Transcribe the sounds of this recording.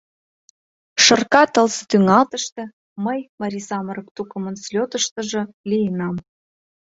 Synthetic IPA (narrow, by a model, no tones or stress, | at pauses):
ʃɤ̆rkɑt̪əlsɤt̪yŋɑlt̪əʃt̪ĕ | məjmɑɾʲisɑməɾə̆k̚t̪ukəmə̆nslʲot̪əʃt̪ə̆ʒə̆ | lijənɑm